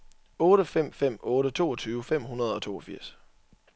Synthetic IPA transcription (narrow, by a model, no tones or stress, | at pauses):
ɔ̽ːɾəfem̰fem̰ɔ̽ːɾət͡sʰo̝̰ːɒ̽t͡sʰyːʊəfem̰ɦunɐð̞ˠɒ̽t͡sʰo̝̰ːɒ̽fiɐ̰s